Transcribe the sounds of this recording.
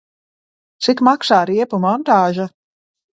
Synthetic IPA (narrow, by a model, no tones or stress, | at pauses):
t̪sikmaksaːɾiɛpumɔnt̪aːʒa